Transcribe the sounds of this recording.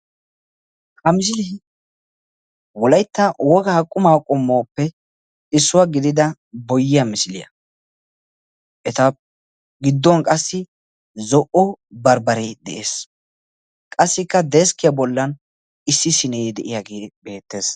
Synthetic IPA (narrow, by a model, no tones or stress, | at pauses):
hɐmɪs̬ɪlɪ | wɔlɐjt̪ːɐwɔɡaːkʼːʊmaːkʼʊmːoːpːɛ | ɪsːʊwaɡɪd̪ɪd̪ɐ | bɔjːɪjɐmɪsɪlɪ̰jɐ̰ | ʔɛt̪ɐ | ɡɪd̪ːɔnkʼɐsːɪ | zɔʔɔbɐɾbɐɾɛd̪ɛ̰ʔḛːs | kʼɐsːɪkːɐd̪ɛskɪjɐbɔlːɐn | ɪsːɪsɪnɛd̪ɛʔɪjaɡeːbe̞ːt̪ːe̞ːs